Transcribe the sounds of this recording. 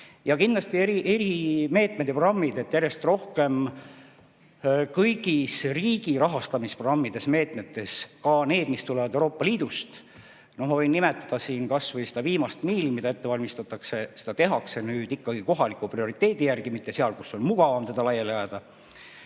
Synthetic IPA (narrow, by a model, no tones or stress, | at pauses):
jɑkind̪lɑst̪ieɾiʔe̞ɾime̞ːt̪ˑmed̪̥epr̥ɑmːid̪e̞t̪ːˑjærje̞st̪ro̞hke̞m | kɤjɡisriːɡ̥iɾɑɦɑst̪ɑmispro̥ɑmːid̪̥e̞sme̞ːt̪me̞t̪ːˑe̞skɑne̞ːd̪̥mist̪ulevɑd̪ewɾo̞ːpːˑɑliːd̪̥ust̪ | no̞hmɑvɤjnːimet̪ːˑɑd̪̥ɑsiːnkɑsvɤjsed̪ɑviːmɑst̪miːlmid̪̥ɑe̞t̪ːe̞vɑlʲmist̪ɑt̪ːˑɑkse̞se̞̥d̪ɑt̪e̞ɦɑkse̞nyːd̪̥ikːɑɡ̥iko̞ɦɑlikˑuprio̞ɾit̪ːˑe̞ːd̪̥ijærɡ̥imit̪ːe̞seɑlkusːo̞nmuɡ̥ɑvɑmt̪e̞d̪̥ɑlɑjelejɑd̪̥ɑ